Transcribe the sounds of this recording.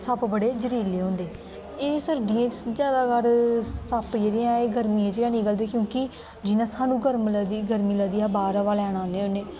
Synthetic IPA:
səbbəɽeːd͡ʒəɾiːleːɦõːnd̪eː | eːsəɾd̪ijãːt͡ʃd͡ʒjaːd̪aːkəɾsəpd͡ʒeːɾiãːeːɡəɾmiãːt͡ʃːaːnĩːɡəld̪eːkjõːki | d͡ʒɪnãːsaːnũːɡəɾmləd̪iːɡəɾmiːləd̪iːaːbaːɾaʋaːlɛːɽ̃aːnẽːʊneː

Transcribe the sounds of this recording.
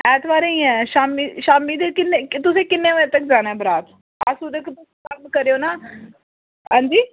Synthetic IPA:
ɛːt̪ʰʋaːɾẽĩːɛːʃaːmiːʃaːmiːd̪ekɪnːeːkt̪ʊsẽːkɪnːẽːʋə̃t̪ək̚d͡ʒaːñɛːbəɾaːt̪ | asuːd̪ekt̪ʊskəɾbkəɾeoːnaː | ɦãːnd͡ʒiː

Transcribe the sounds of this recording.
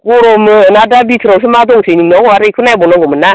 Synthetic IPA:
kuɾomənadabitiɾaws̬imatoŋseniŋnooaɾekunaibonoŋɡoməna

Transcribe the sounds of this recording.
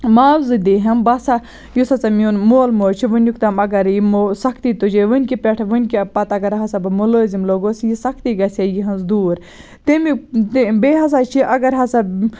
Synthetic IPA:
maːwzɨd̪iɦɐmbɐsa | jusɐt͡sɐmʲjuːnmoːlmoːt͡ʃʰiʋɨnʲjukt̪ɐmɐɡɐɾjimosɐkʰt̪it̪ud͡ʒeʋɨnʲkipʲeʈʰʋɨnʲkipɐt̪ɐɡɐɾɦɐsabɨmuloːzimloɡosjisɐkʰt̪iɡɐsʲejiɦɐnzd̪uːɾ | t̪emubeɦɐs̬at͡ʃʰiʔɐɡɐɾɦɐsa

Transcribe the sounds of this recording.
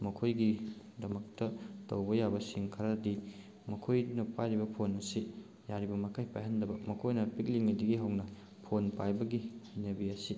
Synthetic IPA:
mɐkʰojɡi | dɐmɐk̚tɐtɐwbɐjabɐsiŋkʰɐɾadi | mɐkʰojnɐpajɾibɐpʰonɐsi | jaɾibɐmɐkʰajpajhɐndɐbɐmɐkʰojnɐpik̚liŋnidiɡiɦɐwnɐ | pʰonpajbɐɡihajnɐbiɐsi

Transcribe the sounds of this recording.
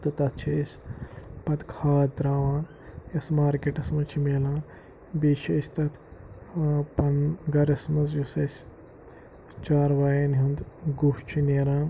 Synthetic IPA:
t̪ɐt̪ɐt̪̚ʰt͡ʃʰisʲ | pɐt̪kʰaːt̪ɾaːʋãːn | jɐsmaːɾkeʈɐsmɐt͡ʃʰimeːlaːn | biːt͡ʃʰɐsʲt̪ɐt̪ʰ | pɐnɡɐɾɐsmɐzjusɐsʲ | t͡ʃaːɾʋaːjenɦund̪ɡuʂt͡ʃʰineːɾãː

